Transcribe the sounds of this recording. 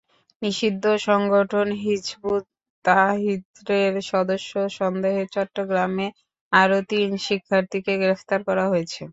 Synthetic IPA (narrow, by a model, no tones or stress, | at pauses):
niʃid̪ʱːoʃɔŋɡoʈʰonɦid͡ʑbud̪ | t̪aɦit̪ɾeɾʃɔd̪oʃːoʃɔnd̪eɦet͡ɕɔʈːoɡɾame | aɾot̪inʃikʰːaɾt̪ikeɡɾeft̪aɾkɔɾaɦojet͡ɕʰe